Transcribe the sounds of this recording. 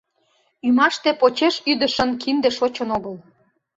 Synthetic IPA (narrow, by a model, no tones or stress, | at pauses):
ymɑʃt̪epot͡ɕeʃyd̪ə̆ʃə̆nkind̪eʃot͡ɕə̆noɣəl